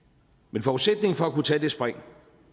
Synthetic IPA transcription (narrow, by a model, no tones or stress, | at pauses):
menfɒːu̥sed̥ne̝ŋ̩fɒ̽ækut͡sʰɛ̰ːd̥e̝sb̥ʁaŋ̰